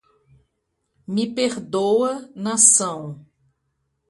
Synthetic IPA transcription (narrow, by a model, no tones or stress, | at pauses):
mɪpeɾd̪owɐnasɐ̃w̃